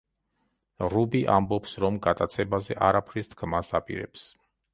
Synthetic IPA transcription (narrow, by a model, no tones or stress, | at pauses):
ɾubiʔambɔpsɾɔmɡat̪ʼat̪sʰɛbazɛʔaɾapʰɾist̪ʰkʰmasapʼḭɾɛ̰ps